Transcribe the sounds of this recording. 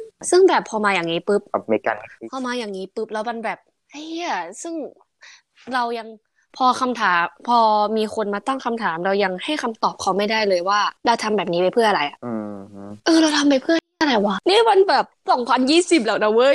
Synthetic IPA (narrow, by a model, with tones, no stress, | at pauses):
sɯ˥˩ŋbɛː˨˩pʰːɔː˧maː˧jaː˨˩ŋniː˦˥pɯ˦˥p̚mi˧˩ka̰˧npʰɔ˧˩maː˧jaː˨˩ŋːniː˦˥pɯ˦˥p̚lɛː˦˥wma˧nbɛː˨˩p̚ | ʔa˧˩ja˧˩sɯ˥˩ŋ | ɾa˧wja˧ŋ | pʰɔː˧kʰa˧mt̪ʰaː˩˦mpʰɔː˧miː˧xʰo˧nmaː˧t̪a˥˩ŋkʰa˧mt̪ʰaː˩˦mɾa˧wja˧ŋha˥˩jkʰa˧mt̪ɔː˨˩p̚kʰa˧wma˥˩jdaː˥˩jlɤː˧jwaː˥˩ɾa˧wt̪ʰa˧mbɛː˨˩p̚niː˦˥pa˧jpʰɯ˥˩nʔa˧ɾa˧jʔa˨˩˧ʔɤː˧ɾa˧wt̪ʰa˧mpa˧jpʰɯ˥˩ə˨˥ʔa˧ɾa˨˧˩jwa˦˥niː˥˩ma˧nbɛː˨˩p̚sɔ˨˩˦ŋpʰa˧njiː˥˩si˨˩p̚lɛː˨˩wna˧˥wɤ˦˥